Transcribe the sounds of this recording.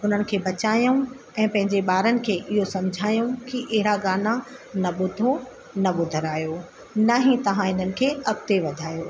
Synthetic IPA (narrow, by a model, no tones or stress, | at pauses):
ʊn̤ənɪ̆kʰeːbɐt͡ɕaːjũ | ɛ̃ːpɐ̃ɦɪ̃ɲd͡ʑeɓaːɾənɪ̆kʰeːʔɪɦosɐ̃md͡ʑʱaːijũkiʔɪɦɪɾaɡaːnanɐɓʊd̪ʱo | nɐɓʊd̪ʱəɾaːjo | nɐɦĩt̪ɐʋ̤ãɪn̤ənɪ̆kʰeːɐk̚t̪eʋɐd̪ʱaːjoː